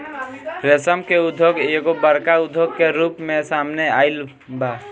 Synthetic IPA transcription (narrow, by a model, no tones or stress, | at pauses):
ɾesəmkeud̪ʱːjoɡeɡobəɾkaud̪ʱːoɡkeɾupmẽsamneaɪl | ba